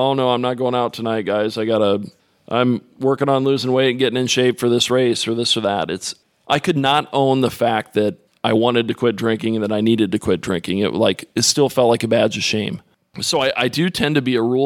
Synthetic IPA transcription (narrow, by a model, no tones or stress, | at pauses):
oʊnoʊãɪ̃mnət̚ɡ̥oʊ̃ɪ̃ŋaʊtʰɨnaɪt̚ɡ̥aɪzaɪɡɑɾə | ʔã̰ɪ̃m | wɜ˞kɪ̃ŋə̃nlʉzɪ̃ŋweɪ̃n̩ɡɛɾɪ̃ŋɨ̃nʃeɪvd̥fə˞ðɪsɹeɪsə˞ðɪsə˞ðə̰ɾɨts | ʔaɪkʰɨdⁿnəɾõʊ̃nðəfæk̪̚ðɨɾ | ʔaɪwɑ̃ɾ̃ɨd̚tɨkʰw̥ɪt̚dɹɪ̃ŋkɪ̃ŋ̃n̩ðɨɾaɪniɾɨd̚tɨkʰw̥ɪt̚dɹɪ̃ŋkɪ̃ŋɪ̰ʔlaɪkɨtstɪlˠfɛlˠt̚ˡlaɪkɨbæd͡ʒɨ̥ʃẽɪ̃m | soʊaɪʔaɪdɨtʰɛ̃ntɨbiɨɹu